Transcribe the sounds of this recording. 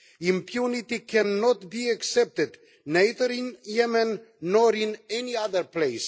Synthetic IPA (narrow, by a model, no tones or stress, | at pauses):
ĩmpʰjunit̪ikʰɛ̃nːɔt̪biaksɛp̚t̪ɪd̪ | najðəɾĩnjɛmɛ̃nːɔɾĩnɛniaðəɹplejs